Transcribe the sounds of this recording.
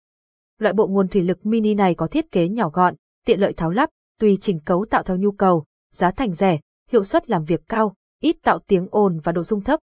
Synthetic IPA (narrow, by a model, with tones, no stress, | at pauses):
lwa̰ː˧˨jɓo̰˧˨ŋu˨˩ənt̪wi˧˩lɨ˨˩k̚mi˧ni˧na˨˩jkɔ˨˦t̪ʰi˦˥ət̚ke˨˦ɲɔ˧˩ɣɔ̰˧˨nʔ | t̪ḭ˧˨ələ̰ː˧˨jt̪ʰaː˨˦wla˦˥p̚t̪wi˧˩t͡ɕï˨˩˦ŋ̟kə˨˦wt̪a̰ː˧˨wt̪ʰə˨˩wɲu˧kə˨˩w | zaː˨˦t̪ʰa˨˩jŋ̟zɛ˧˩ | hḭ˧˨əwswə˦˥t̚laː˨˩mvi˨˩əkːaː˧w | ʔi˦˥t̚t̪a̰ː˧˨wt̪i˨˦əŋʔo˨˩nvaː˨˩ɗo̰˧˨zʊ˧ŋ͡mt̪ʰə˦˥p̚